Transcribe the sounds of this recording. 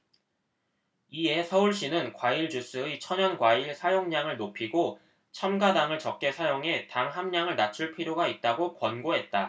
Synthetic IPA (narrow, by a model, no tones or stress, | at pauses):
ie̞sʰʌuɭɕ͈inɯnkwaiɭd͡ʑus͈ɯet͡ɕʰʌɲʌnɡwaiɭsʰajoŋɲaŋɯɭnopʰiɡo | t͡ɕʰamɡadaŋɯɭt͡ɕʌp̚k͈e̞sʰajoŋe̞taŋɦamɲaŋɯɭnat͡ɕʰuɭpʰiɾjoɡait̚t͈aɡokwʌnɡoɦe̞t̚t͈a